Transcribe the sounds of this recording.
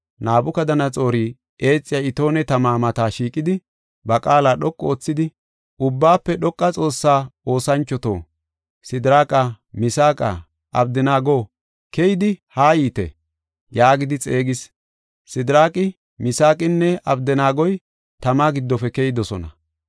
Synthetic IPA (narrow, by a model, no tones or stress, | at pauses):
naːbʊkɐd̪ɐnɐt͡sʼo̞ːɾiː | ʔe̞ːt͡sʼːɪjaɪt̪o̞ːnɛt̪ɐmaːmɐt̪aːʃiːkʼːɪd̪ɪ | bɐkʼaːlaːɗɔkʼːoːt͡sːɪd̪ɪ | ʊbːaːpːɛɗɔkʼːɐt͡sʼo̞ːsːaːo̞ːsɐnt͡ʃːɔt̪o̞̰ː | sɪd̪ɪɾaːkʼɐ | mɪsaːkʼɐ̰ | ʔɐ̰bd̪ɪnaːɡo̞ː | kɛjɪd̪ɪhaːjiːt̪ɛ̰ | jaːɡɪd̪ɪt͡sʼe̞ːɡɪs | sɪd̪ɪɾaːkʼɪ | mɪsaːkʼɪnːɛʔɐbd̪ɛnaːɡɔj | t̪ɐmaːɡɪd̪ːɔfɛkɛjɪd̪ɔsɔnɐ̰